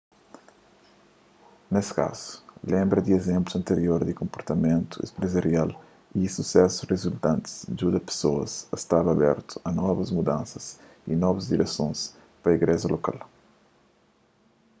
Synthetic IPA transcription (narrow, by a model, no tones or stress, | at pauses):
neska̰zu̥lẽmbɾɐd̪iezẽmpluɐ̃nt̪eɾjoɾd̪ikõmpoɾt̪ɐmẽnt̪uḛspɾezɐɾjal | isusɛsurezult̪ãnt̪i̥sd͡ʒud̪ɐpe̥soɐ̰sɐst̪avɐbɛ̰ɾt̪u̥ɐnɔvɐzmud̪ãnsɐs | ḭnɔvɐzd̪iɾɛsõs | pɾɐiɡɾɛʒɐloka̰l